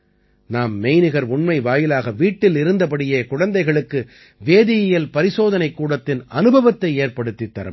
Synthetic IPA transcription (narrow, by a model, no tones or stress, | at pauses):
naːmːɛɪnɯɣɐɾʊɳmɐɪʋaːjɪlaːɣɐʋiːʈːɪlɪɾɯnd̪ɐp̬ɐɽɪjeːkʊɻɐnd̪ɐɪɣɐɭɯkːɯ | ʋeːðɪjɐjɐlpɐɾɪsoːðɐnɐɪkːuːɽɐt̪ːɪnɐnɯbʱɐʋɐt̪ːɐɪeːɾpɐɽɯt̪ːit̪ːɐ̰ɾɐ̰m